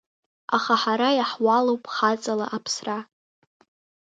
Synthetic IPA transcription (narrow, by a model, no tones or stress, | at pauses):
aχaħaɾajaħwalowpʼχat͡sʼalaʔapʰsra